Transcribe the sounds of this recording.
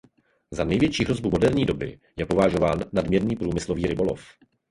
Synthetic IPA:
zanɛjvjɛt͡ʃiːɦɾo̞zbumo̞dɛɾɲiːdo̞bɪ̰jɛpo̞vaʒo̞vaːnːadmɲɛɾniːpɾuːmɪslo̞viːɾɪbo̞lo̞̰f

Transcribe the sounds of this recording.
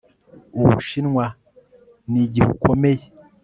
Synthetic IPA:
uβṵʃinŋwa | niɟihṵkʰomeje

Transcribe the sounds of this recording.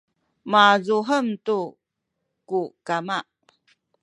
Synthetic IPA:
mazuɦəmtu | kukamaʔ

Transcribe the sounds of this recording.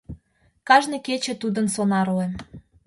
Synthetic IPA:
kɑʒneket͡ɕĕt̪ud̪ənsonɑɾuem

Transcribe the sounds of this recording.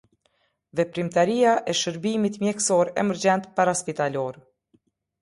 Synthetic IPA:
vɛpɾimt̪aɾijaʔɛʃəɾbimit̪mjɛksɔɾɛmɛɾd͡ʑɛnt̪paɾaspit̪alɔɾ

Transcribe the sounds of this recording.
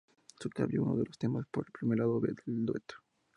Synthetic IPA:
suka̰βjeuno̰ðelost̪e̞maspoɾelpɾimeɾlaðoβeðeld̪wet̪o̥

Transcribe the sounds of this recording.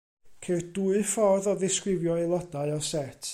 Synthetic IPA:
kʰerduɨfɔrðɔðɪskrɪvjɔilˠɔdaɨɔsɛtʰ

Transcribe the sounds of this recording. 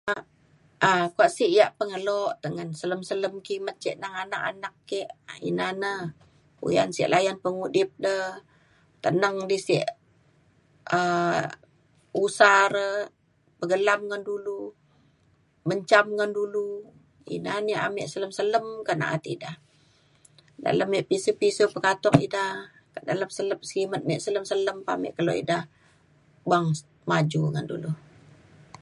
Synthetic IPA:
ʔakuaʔsiʔjaʔpəŋəloʔt̪əŋənsələmsələmkimət̪̚t͡ʃiʔnaŋanaka̰nakːeʔḭnanə | ṵja̰nsḭʔlajanpəŋudɪp̚dəh | t̪ənəŋdisiʔ | ə | usaɾə | pəɡəlamŋəndulu | məɲt͡ʃamŋandulu | ḭnaniʔa̰mɛʔsələmsələmkana̰ʔa̰t̪idah | da̰ləmjiʔpisupisupəkat̪ɔŋḭdah | da̰ləmsələm̚səkimət̪̚mɛʔsələmsələmpa̰mɛ̰ʔkalo̰ḭdah | baŋ | mad͡ʒuŋandṵlu

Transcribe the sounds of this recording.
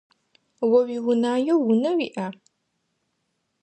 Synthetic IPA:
wɐwiwʊnaːjowʊnɐwḭʔa

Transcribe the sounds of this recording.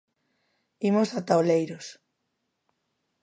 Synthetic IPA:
imosat̪aolejɾos

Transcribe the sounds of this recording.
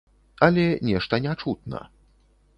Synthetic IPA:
ɐlʲɛnʲɛʂt̪ɐnʲat͡ʂut̪̚nɐ̰

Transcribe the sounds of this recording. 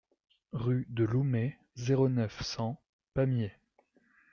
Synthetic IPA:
ʁyd̪əlume | zeʁonœfsɑ̃ | pamje

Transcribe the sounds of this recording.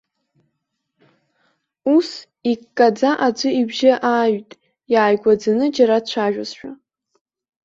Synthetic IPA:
us | ikʼːad͡zaʔad͡ʒʷɨibʒɪʔaːɥtʼ | jaːjɡʷad͡zanɨd͡ʒaɾat͡ɕʷʰaʒᶣazʃᶣa

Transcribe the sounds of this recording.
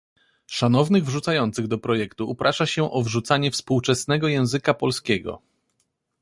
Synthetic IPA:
ʂanɔvnɘɣvʐut̪sajɔnt̪sɘɣd̪ɔpɾɔjɛkt̪uːpɾʔaʂaɕɛʔɔvʐut̪saɲɛfspuwt͡ʂɛsnɛɡɔjɛ̃w̃zɘkapɔlskʲeɡɔ̰

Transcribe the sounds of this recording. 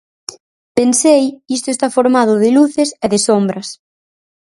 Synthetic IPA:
pensejist̪ʊest̪afoɾmað̞ʊðɪluθesɛðɪsombɾɐs

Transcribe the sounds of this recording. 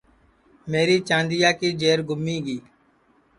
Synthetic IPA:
meːɾiːt͡ʃãːnd̪ɪjaːkiːd͡ʒeːɾɡʱʊmiːɡiː

